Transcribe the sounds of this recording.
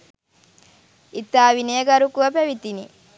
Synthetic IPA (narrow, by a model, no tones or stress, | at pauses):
it̪ːaːʋinejəɡaɾukuɐpæʋit̪ini